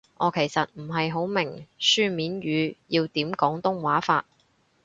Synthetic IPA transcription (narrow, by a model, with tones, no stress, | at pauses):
ʔɔː˨˧kʰe˨˩jsɐ˨t̚m̩˨˩ɦɐ˨jɦo˨˥wmɪ˨˩ŋsyː˥miː˨˥nɥyː˨˧jiː˧wt̪iː˨˥mkɔː˨˥ŋt̪ʊ˥ŋwaː˨˥fa̰ː˧t̚